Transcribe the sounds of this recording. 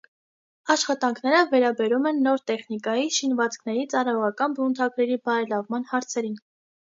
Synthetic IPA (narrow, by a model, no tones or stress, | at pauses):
ɑʃχɑt̪ɑŋkʰnɛɾəvɛɾɑbɛɾumɛnːɔɾt̪ɛχnikɑjiʃinvɑt͡skʰnɛɾit͡sɑɾɑjɔʁɑkɑnbunt̪ʰɑɡɾɛɾibɑɾɛlɑvmɑn̪hɑɾt͡sʰɛɾin